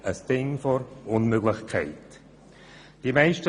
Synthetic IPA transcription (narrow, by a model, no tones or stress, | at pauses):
əsd̥ɪŋfɔɾʊnmøɡlɪxkʰɛ̰ɪt | d̥imɛɪʃtə